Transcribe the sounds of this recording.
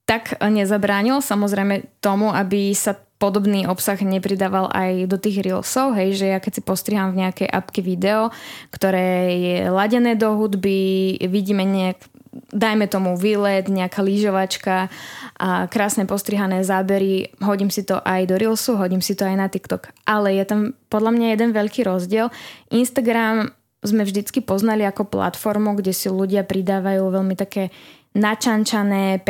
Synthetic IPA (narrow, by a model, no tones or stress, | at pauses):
t̪akɲɛzabɾaːɲilsamɔzɾɛjmɛt̪ɔmuabisapɔd̪ɔbniːʔɔpsaɣɲɛpɾid̪aːʋalʔa̰jd̪ɔt̪iːɣɾilsɔʊɦɛjʒɛjakɛcsipɔst̪ɾiɦamvɲɛakɛjʔa̰pkɛʋid̪ɛɔkt̪ɔɾɛːjɛlaɟɛnɛːd̪ɔɦud̪biʋiɟiːmɛɲɛak | d̪ajmɛt̪ɔmuʋilɛd̪ɲɛakaliːʒɔʋat͡ʃka | kɾaːsnɛpɔst̪ɾiɦanɛːzaːbɛɾiɦɔɟiːmsit̪ɔʔajd̪ɔɾilsuɦɔɟiːmsit̪ɔajnat̪ikt̪ɔkʔalɛjɛt̪ampɔd̪ʎamɲajɛd̪ɛnʋɛʎkiːɾɔzɟɪɛlʔinst̪aɡɾam | zmɛvʒd̪it͡skipɔznaliakɔpla̰t̪fɔɾmuɡɟɛsiluɟɪapɾid̪aːʋajuːʋɛʎmit̪akɛː | nat͡ʃant͡ʃanɛːp